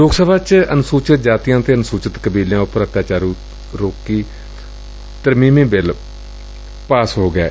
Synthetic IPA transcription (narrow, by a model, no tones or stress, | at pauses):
loːɡsəbʱaːt͡ʃənʊsuːt͡ʃət̪̚d͡ʒaːt̪ɪjãːt̪eːənsuːt͡ʃət̪kəbiːljãːʊpːəɾət̪jaːt͡ʃaːɾũː | ɾoːkːiː | t̪əɾmiːmĩːbɪl | paːsɦoːɡɛː